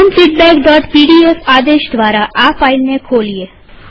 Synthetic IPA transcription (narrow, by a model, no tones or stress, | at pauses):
nfiʈ̚bɛ̃kɖɔʈpiɽiefad̪eʃd̪ʋaɾaʔafailnekʰolie